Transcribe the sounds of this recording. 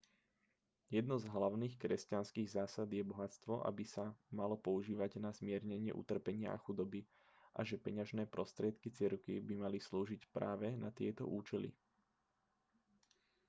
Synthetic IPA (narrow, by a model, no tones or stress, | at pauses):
jɛd̪nɔzɦlaʊniːxkɾɛscanskiːɣzaːsad̪jɛbɔɦat͡st̪ʋɔʔa̰bisamalɔpɔuʒiːʋaɟnazmɪɛɾɲɛɲɪɛ̰ʔṵt̪r̩pɛɲɪaʔa̰xud̪ɔbi | ʔa̰ʒɛpɛɲaʒnɛːpɾɔst̪ɾɪɛt̪kit͡sɪɛɾkḭbimalisluːʒicpɾa̰ːʋɛnat̪ɪɛt̪ɔ̰ʔuːt͡ʃɛlḭ